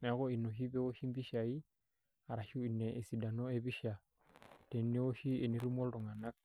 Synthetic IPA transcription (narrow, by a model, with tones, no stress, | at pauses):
nɛ˦ɣɔ˦i˨nɔ˨ʃi˦βɛ˦o˦ʃi˦mbi˦ʃa˨i˦ | a˨ɾa˨ʃu˦i˨nːɛ˨ʔe˨si˨da˨nɔ˦e˦βi˦ʃa˨ | tɛ˨˦nːɛ˦o˦ʃi˦e˨ni˦ɾu˦mɔ˦lɾɔ˨ŋa˨na˦k̚